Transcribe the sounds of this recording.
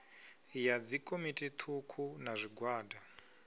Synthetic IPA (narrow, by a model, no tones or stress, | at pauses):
jad͡zikʼomitʼit̪ʰukʰunaʐʷiɡʱwaːda